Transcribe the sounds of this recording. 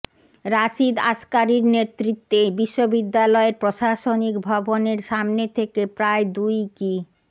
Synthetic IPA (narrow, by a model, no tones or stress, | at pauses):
ɾaʃid̪aʃkaɾiɾnet̪ːɾit̪ːebiʃːobid̪ːalɔeɾpɾoʃaʃonikbʱɔboneɾʃamnet̪ʰekepɾaed̪ujki